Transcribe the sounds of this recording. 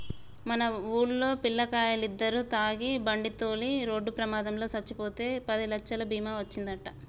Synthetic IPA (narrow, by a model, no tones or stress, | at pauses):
mɐnɐuːɽlo̞ːpilːɐkaːjɐlid̪ːɐɾut̪aːɡibɐɳɖit̪o̞ːliɾo̞ːɖːupɾɐmaːd̪ɐmlo̞ːsɐt͡ʃːipo̞ːt̪e̞ːpɐd̪ilɐkt͡ʃːɐlɐbʱiːmaːʋɐt͡ʃːind̪ɐʈːɐ